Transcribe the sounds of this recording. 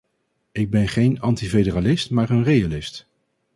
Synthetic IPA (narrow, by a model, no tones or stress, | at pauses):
ɪɡ̚bɛnχejnɑntivedəralɪstmaːɹənrejalɪst